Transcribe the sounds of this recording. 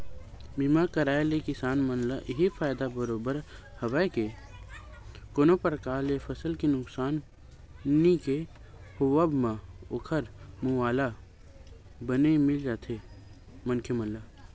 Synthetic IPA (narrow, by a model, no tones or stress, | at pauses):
bimakəɾaːelekɪsaːnmənlaʔɪɦifʰaːɪd̪abəɾoːbəɾ | hɐʋəjke | koːnopɾəkaːlefʰəsəlkinʊksaːn | nike | hʊwəbmãʊkʰəɾmuaːla | bənemɪld͡ʒaːt̪ʰe | mənkʰemə̃nla